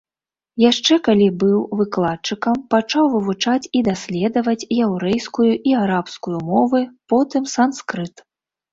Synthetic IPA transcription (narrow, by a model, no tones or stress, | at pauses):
jaʂt͡ʂɛkalʲibɨwvɨklˠatt͡ʂɨkɐmpat͡ʂawvɨvut͡ʂat͡sʲid̪asʲlʲɛd̪ɐvɐt͡sʲjawɾɛjskujuʔiaɾapskujumɔvɨpɔt̪ɨmsanskɾɨt̪